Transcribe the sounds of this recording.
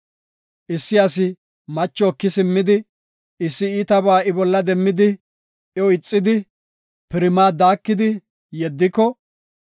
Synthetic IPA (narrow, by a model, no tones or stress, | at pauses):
ʔɪsːɪɐsɪ | mɐt͡ʃːɔːkːɪsɪmːɪd̪ɪ | ɪsːɪiːt̪ɐbaːɪbɔlːɐd̪ɛmːɪd̪ɪ | ɔɪt͡sʼːɪd̪ɪ | pɪɾɪmaːd̪aːkːɪd̪ɪ | jɛd̪ːɪkːɔ